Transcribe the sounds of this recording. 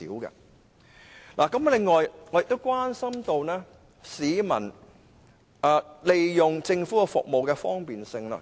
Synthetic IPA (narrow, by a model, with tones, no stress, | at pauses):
ḭː˨˥wkɐ̰˧ | laː˨˩kɐ˨˦˥mlɪ˨ŋːɔː˨jŋɔ˨˧jɪ˨k̚t̪ːo˥wkʷwaː˥nsɐ˥mt̪o˧wnɛː˥ | siː˨˧mɐ̰˨˩n | aː˧le˨jjʊ˨ŋt͡sɪ˧ŋfuː˨˥kɐ˧fʊ̰˨k̚mo˨wkɛː˧fɔː˥ŋpiː˨nsɪ˧ŋlɐ̰ː˧